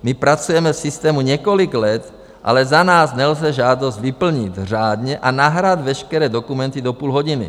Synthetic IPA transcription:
mipɾat͡sujɛmɛfsist̪ɛːmuɲɛkoliɡlɛt̪ | ʔa̰lɛzanaːznɛlzɛʒaːd̪ozɟʋipl̩ɲit̪r̝aːd̪ɲɛʔanaɦɾad̪ʋɛʃkɛɾɛːd̪okumɛnt̪id̪opuːlɦoɟinḭ

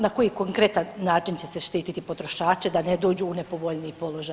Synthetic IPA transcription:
nako̞jikoŋkɾe̞t̪anːaːt͡ʃint͡ɕe̞seʃt̪iːt̪it̪ipo̞t̪ɾo̞ʃaːt͡ʃed̪aned̪o̞ːd͡ʑuːnepo̞ʋo̞ʎniipolˠo̞ʒa

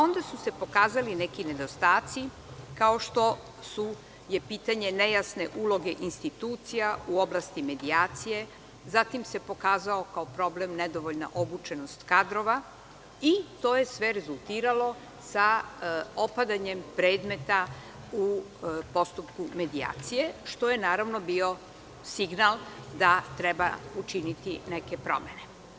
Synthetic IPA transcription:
o̞nd̪asuse̞po̞kaːzalinekine̞d̪o̞st̪aːt̪si | kao̞ʃt̪o̞ | su | je̞piːt̪aɲe̞nejasne̞ʔuːlo̞ɡe̞ʔinst̪it̪uːt̪sijauo̞blast̪ime̞d̪iaːt̪sije̞ | zat̪imse̞po̞kaːzaokaopɾo̞blemned̪o̞ʋo̞ʎna̰ʔobut͡ʃe̞no̞st̪kad̪ɾo̞ʋa | it̪o̞ːje̞sʋeɾezulˠt̪iːɾalo̞ | sa | opad̪aɲempɾe̞ːd̪me̞t̪a | u | po̞st̪upkume̞d̪ia̰ːt̪sije̞ʃt̪o̞jenaːɾaʋno̞biːo̞ | siɡnalˠd̪at̪ɾeba̰ut͡ʃinit̪ineke̞pɾo̞̰me̞ne̞

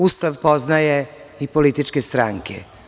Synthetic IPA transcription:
ust̪aʋpo̞znajeipolit̪it͡ʃkest̪ɾaŋkʰḛ

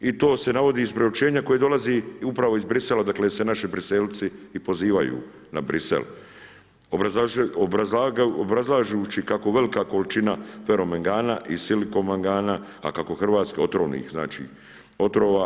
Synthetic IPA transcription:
it̪o̞ːse̞naʋo̞d̪iːzpɾeut͡ʃe̞ːɲako̞jed̪o̞lazeupɾaʋo̞izbɾiselad̪aklesenaʃibɾiselt̪siːpo̞ziːʋa̰jṵ | na̰bɾisḛl | oobaobɾazlˠaːʒut͡ʃikako̞ʋe̞likako̞lit͡ʃinafe̞ɾo̞meŋɡaːnaʔisiliko̞maŋɡaːna | a̰kako̞xrʋaːt̪skeo̞t̪ɾoːʋnḭːxzna̰ːt͡ʃḭː | o̞t̪ɾoːʋa

